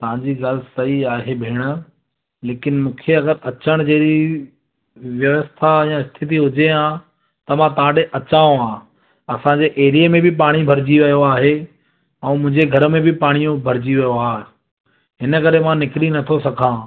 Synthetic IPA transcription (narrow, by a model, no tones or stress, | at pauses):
t̪ɐʋ̤ãːɲd͡ʑiɡɐlsɐɦiaːɦebʱeːɽ̃ə̆ | leːkɪnmũːkʰeɐɡəɾɐt͡ɕəɽ̃d͡ʑeːɗi | ʋjɐʋəst̪ʰajãɪst̪ʰɪt̪̬iɦʊd͡ʑeãː | t̪ɐmãt̪ɐɦãɗeʔɐt͡ɕaːõãː | ɐsãːɲd͡ʑeʔeːɾijəmẽbɪpaːɽ̃ibʱɐɾd͡ʑiʋɐjoaːɦe | ɛ̃ːmʊ̃ɦɪ̃ɲd͡ʑeɡʱɐɾmẽbʱɪpaːɽ̃ijũbʱɐɾɪd͡ʑiʋɐjoaːɦ | ɦɪnə̆kɐɾemãnɪkɪlinɐt̪ʰosɐkʰãː